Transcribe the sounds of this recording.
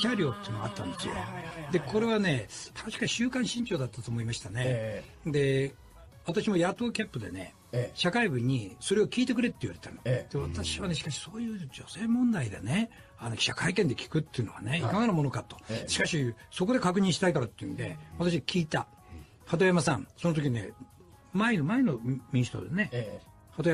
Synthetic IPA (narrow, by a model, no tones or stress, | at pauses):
ɕʲaɾʲo̞ːt̪eiɨ̟noɡaa̰t̪ːã̰nd̪esɨ̰jo̰d̪e̞kʰo̞ɾe̞βane̞aɕi̥kaɕɨːkãɕĩɲt͡ɕo̞ːd̪at̪ːat̪o̞ːmo̞imaɕi̥t̪ane̞ | d̪e̞ | βat̪aɕimo̞jat̪o̞ːkʲapːɯ̟d̪e̞̰ne̞̰ | ɕakaibɯ̟ɲ̟iso̞ɾe̞o̞kʲiːt̪e̞k̬ɯ̟ɾe̞t̪ːeiβaɾe̞t̪anod̪̥e̞βat̪aɕiβane̞ɕi̥kaɕi̥so̞ːjɯ̟ːd͡ʑo̞se̞ːmõ̞nd̪aid̪ḛne̞ | anoɕakaikend̪ekʲi̥kɯ̟t̪ːe̞iɯ̟no̞βa̰ne̞ikaɡaɾamo̞no̞kat̪oɕi̥kaɕiso̞ko̞d̪e̞kakɯ̟ɲ̟ĩɕi̥t̪aikaɾat̪ːeɯ̟̰̃nd̪e̞̰βat̪aɕiakʲʰiːt̪a | hat̪ojamasãɴ̃sonot̪̬oiine̞̰ | maeno̞maeno̞mʲĩɕsi̥t̪o̰d̪ene̞ | hat̪oj